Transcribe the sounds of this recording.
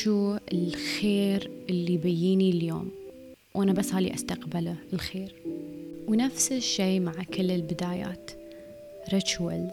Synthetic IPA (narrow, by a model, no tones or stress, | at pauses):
ʃuːɪlxeːɾʔɪlːibajːiːniljo̰ːm | wʔanabasːhaːlḭʔast̪aqbɪlaəlxeːɾ | wnafsɪʃːeːmaʕkɪlːɪlbɪd̪aːja̰ːt̪ | ɾˤat͡ʃwɪ̰l